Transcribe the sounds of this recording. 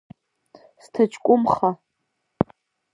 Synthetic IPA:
stʰat͡ʃʰʼkʷʼʊmχa

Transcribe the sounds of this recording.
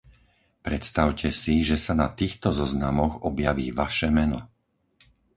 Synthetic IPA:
pɾɛt̪st̪aʊcʰɛsiʒɛsanat̪iːxt̪ɔzɔznamɔɣɔbjaʋiːʋaʃɛmɛnɔ

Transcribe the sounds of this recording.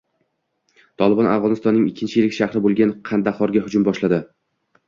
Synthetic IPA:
t̪ʰɒlˠɪbɒna̰vʁɒnɪst̪ɒnːɪŋɪkʲʰːɪnt͡ʃʰɪjilɪkʲʃaχɾɪbolˠɡʲanqʰɑnd̪aχɒɾɡʲahʊd͡ʒʊmbɒʃlad̪ɪ

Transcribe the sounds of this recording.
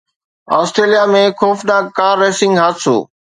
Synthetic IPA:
ɔːsʈɾeːlijamẽxoːfɗaːkaːɾːeːsɪ̃ŋɡɦaːt̪so̰ː

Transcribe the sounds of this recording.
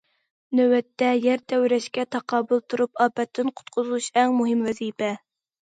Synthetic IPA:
nøwɛt̪ʰːɛjɛɾt̪ʰɛwɾɛʃkʲɛt̪ʰɑqʰɑːbulˠt̪ʰuɾupɑːpɛt̪ʰːɪnqʰʊ̥t̪̚qʰʊzˠuʃɛŋmuɦɪmvɛzipʰɛ

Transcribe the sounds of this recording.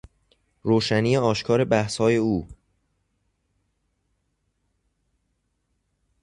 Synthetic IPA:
ɾoːʃæniːeɒːʃkʰɒːɾe̞bæhshɒːje̞uː

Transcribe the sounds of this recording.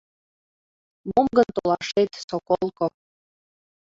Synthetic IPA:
momɡənt̪olɑʃet̪sokolˠko

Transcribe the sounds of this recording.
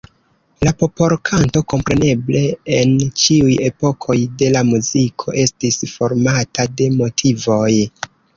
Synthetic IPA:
lapo̞po̞ɾkʰanto̞ko̞mpɾe̞ne̞ble̞ent͡ʃiuje̞po̞kʰo̞jde̞lamuzikʰo̞̰ʔe̞stisfo̞ɾmatade̞mo̞tʰivo̞j

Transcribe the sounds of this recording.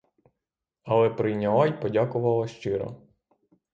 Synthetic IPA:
ɐlˠɛpɾɪjnʲɐʋˠɑjpɔdʲakʊʋɐlˠɐʃt͡ʃɪɾɔ̰

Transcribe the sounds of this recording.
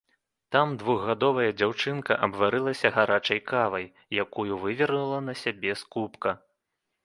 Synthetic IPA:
t̪amd̪vuɣːad̪ɔvɐjɐd͡zʲawt͡ʂɨnkɐʔɐbvaɾɨlˠɐsʲɐɣaɾat͡ʂɐjkavɐjːakujuvɨvʲɛrnulˠɐnɐsʲabʲɛskupkɐ

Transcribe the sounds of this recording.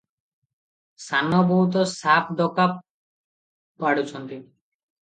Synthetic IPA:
sanːɔbɔɦut̪̬ɔsapʰd̪ɔkap | pːaɽut͡ɕʰɔnt̪i

